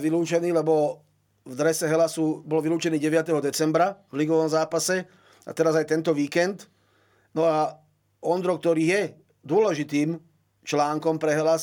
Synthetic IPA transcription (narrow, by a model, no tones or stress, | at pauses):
ʋiluːt͡ʃɛniːlɛbɔ | vd̪ɾɛsɛɦɛlasubɔlʋiluːt͡ʃɛniːɟɛʋɪat̪ɛɦɔd̪ɛt͡sɛmbɾavliɡɔʋɔmzaːpasɛ | a̰t̪ɛɾazajt̪ɛnt̪ɔʋiːkɛnd̪ | nɔa | ɔnd̪ɾɔk̚t̪ɔɾiːjɛ | d̪ʊɔlɛʒit̪iːm | t͡ʃlaːŋkɔmpɾɛɦɛlas